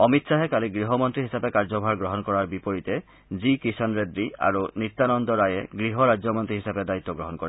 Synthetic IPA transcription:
ɔmit̪saɦekaliɡɾiɦɔmɔnt̪ɾiɦisapekaɹd͡ʒɔbʱaɾɡɾɔɦɔnkɔɹaɹbipɔɹit̪e | zikisanɹed̪ɾia̰ɹunit̪ːanɔnd̪ɔɾajeɡɾiɦɔɾad͡ʒɔmɔnt̪ɾiɦisaped̪ait̪ːɔɡɾɔɦɔnkɔɾe

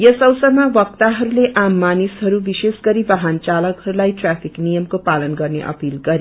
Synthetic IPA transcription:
jʌsʌwsʌmabʌkt̪aɦʌɾuleʔamːanisɦʌɾubisesɡʌɾibaɦant͡salʌkɦʌɾulajʈrapʰiknijʌmkopalʌnɡʌrnḛʔʌ̰pilɡʌɾi

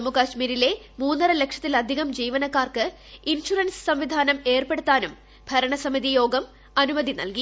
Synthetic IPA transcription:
mukaɕmiːɾile̞ | muːnːɐrɐle̞kʂɐt̪ːilɐd̪ʱiɣɐmd͡ʑiːʋɐnɐkːaːrkɨ | inɕurɐnssɐmʋid̪ʱaːnɐme̞ːrpe̞ɽut̪ːaːnum | bʱɐɾɐɳɐsɐmiðijo̞ːɡɐm | ɐnumɐd̪ʱinɐ̰lki

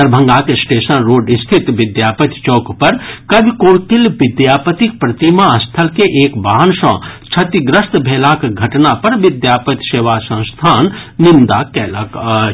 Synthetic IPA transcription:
əɾbʱə̃ŋɡakesʈeːsənɾoːɖist̪ʰit̪ʋɪd̪jaːpət̪t͡ʃoːkpɐɾkɐbʱikoɽkilʋɪd̪jaːpət̪ik̚pɾɐt̪imaəst̪ʰəlkeʔeːkbaːənsə̰̃t͡ʃʰɐt̪iɡɾəst̪bʱeːlakɡʱɐʈnapɐɾʋid̪jaːpət̪seːʋasə̃ñst̪ʰaːnːind̪akɛːlak

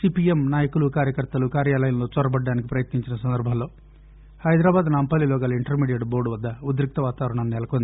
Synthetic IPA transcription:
siːpiemnaːjɐkulukaːɾjɐkɐɾt̪ɐlukaːɾjaːlɐjɐnlo̞ːt͡ʃɔɾɐbɐɖːaːnik̬ipɾɐjɐt̪niɲt͡ʃinɐsɐnd̪ɐɾbʱɐnlo̞ː | hɐjd̪ɾaːbaːd̪naːmpɐːlilɔːɡaːlɐiɳʈɐɾmiːɖijeɖbo̞ːɾɖuʋɐd̪ːɐud̪ɾik̚t̪ɐʋaːt̪aːʋɐɾɐɳɐmnɛlɐkond̪i

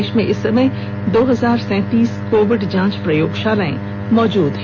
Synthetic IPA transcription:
ʃmẽʔɪsːɐməj | d̪oːɦɐzaːɾsɛ̃ːt̪iːskoːʋɪɖd͡ʒãːt͡ʃpɾɐjoːɡʃaːləḛ̃ | mɔːd͡ʒuːd̪ɦ

